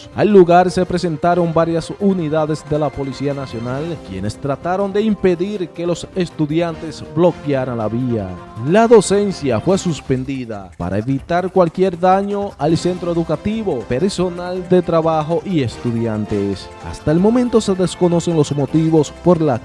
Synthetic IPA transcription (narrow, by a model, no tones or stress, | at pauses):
alːuɣaɾse̞pɾe̞se̞nt̪aɾo̞mbaɾjasuniðaðe̞sðe̞lapo̞lisianasjo̞nalkje̞̰ne̞st̪ɾat̪aɾo̞nd̪e̞impe̞ðiɾke̞lo̞se̞st̪uðjant̪e̞sblo̞kjaɾanlaβia̰laðo̞se̞nsjafwe̞suspe̞nd̪iða̰pa̰ɾʔa̰eβit̪aɾkwalkje̞ɾðaɲo̞ʔalse̞nt̪ɾo̞eðukat̪iβo̞pe̞ɾso̞nald̪e̞t̪ɾaβaxo̞ʔie̞st̪uðjant̪e̞s | a̰st̪aelmõ̞mẽ̞nt̪o̞se̞ðe̞sko̞no̞se̞ŋlo̞smo̞t̪iβo̞spo̞ɾla